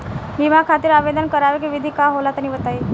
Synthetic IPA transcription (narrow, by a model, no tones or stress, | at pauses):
bʱimakʰat̪iɾaʋed̪ənkəɾaʋek̬iʋid̪ʱikaɦolat̪ənibət̪aiː